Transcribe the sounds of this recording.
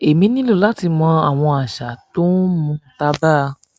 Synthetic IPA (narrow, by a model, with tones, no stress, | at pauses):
e˨mĩ˧˦nĩ˦lo˦˨la˦ti˧mɔ̃˧a˦˨w̃ɔ̃˧a˨ʃa˨˦to˦n˦mũ˧˦ta˧ba˦˧